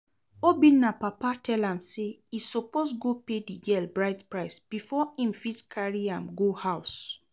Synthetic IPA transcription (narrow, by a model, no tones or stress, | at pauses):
obĩnːapapatʰɛlãmseisoposɡopediɡɛlbɹaɪtpɹaɪsb̥ifɔĩmfitkʰaɹiãmɡohaʊs